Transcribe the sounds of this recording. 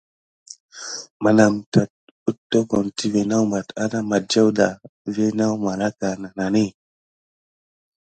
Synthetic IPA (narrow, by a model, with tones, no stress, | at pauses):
ma˨na˨mta˨t̚ | u˦tːo˦ko˨nti˦ve˨na˦wma˨ta˦na˦ma˨t̚d͡ʒa˦wda˨ve˦na˦wma˨la˦ka˨na˨na˨ne˦˨